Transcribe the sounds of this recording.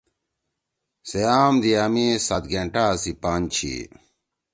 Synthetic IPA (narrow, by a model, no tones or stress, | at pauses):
sejaːmd̪ijamisɐt̪ɡeɳʈaːsipant͡ɕʰḭ